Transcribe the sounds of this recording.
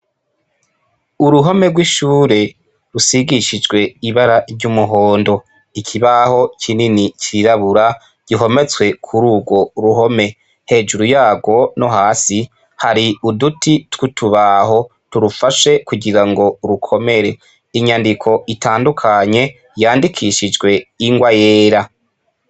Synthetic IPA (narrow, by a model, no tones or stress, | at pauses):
uɾuɦo̞me̞ɡwiʃuːɾe̞ | ɾusiɡiʃid͡ʒɡwe̞iβaɾavɟumuɦo̞ːndo̞ | ikʰiβaho̞cʰininiciɾaβuɾa | ɟ̥iɦo̞me̞t͡swe̞kʰuɾuːɡwo̞ɾuɦo̞me̞ | he̞ːʒuɾujaːɡo̞no̞ɦaːsi | haɾiudutitwutʰuβaho̞ | tuɾufaʃe̞kuɡiɾaŋɡo̞ɾukʰo̞me̞ɾe̞ | iɲandikʰo̞itʰaːndukʰaɲe̞ | jaːndikʰiʃid͡ʒɡwe̞iŋɡwajeːɾa